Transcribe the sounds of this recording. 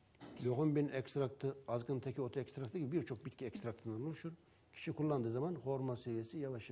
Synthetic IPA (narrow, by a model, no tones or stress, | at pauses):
joɣunbinɛkst̪ɾak̚t̪ʰɯazɡɯnt̪ʰekʰʲiot̪ʰaɛkst̪ɾakt̪ːɯcibiɾt͡ʃʰo̞k̚bit̪̚ʲcʰʲiɛkst̪ɾak̚t̪ʰɯnd̪anolˠuʃuɾ | cʲʰi̥ʃikʰulˠːand̪ɯːzamanhoɾmasevijesijavaʃɯ